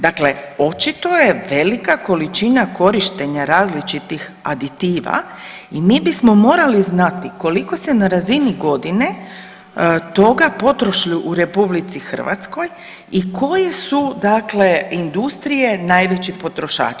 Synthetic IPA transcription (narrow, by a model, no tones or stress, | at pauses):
d̪akleo̞t͡ʃit̪o̞jeʋe̞likako̞lit͡ʃinako̞ɾiʃt̪e̞ɲaɾaːzlit͡ʃit̪ix | a̰d̪it̪iːʋa̰ | imiːbismo̞mo̞ːɾaliznat̪iko̞liko̞senaɾaziniɡo̞d̪ine̞ | t̪o̞ɡapo̞t̪ɾoʃʎuʔuɾe̞publit̪sixər̩ʋa̰t̪sko̞j | ikʰo̞jesud̪akle̞ind̪ust̪ɾije̞najʋet͡ɕixpo̞t̪ɾo̞ʃa̰ːt͡ʃ